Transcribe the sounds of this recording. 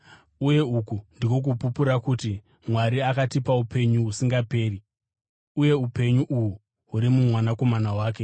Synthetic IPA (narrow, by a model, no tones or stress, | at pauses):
uje̞ukundiko̞k̬upupuɾakuti | mwaɾiakatipaupe̞ɲuɦusiŋɡape̞ːri | uje̞upe̞ɲuʔuɦu | ɦuɾimumwanako̞manawaːk̬e